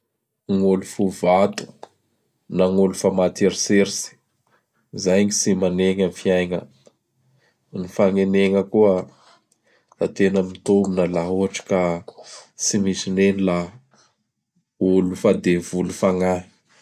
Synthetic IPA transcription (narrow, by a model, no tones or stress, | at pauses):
ŋulufuvat̪u̥ | naŋulufamat̪eɾiseɾisi̥ | zajɲisimaneŋənfiajŋə | nifaŋeneŋəkuə | at̪enəmit̪ominəlaɦuaʈ͡ʂə̥ka | simisinenila | ulufad̪evulufaŋḁ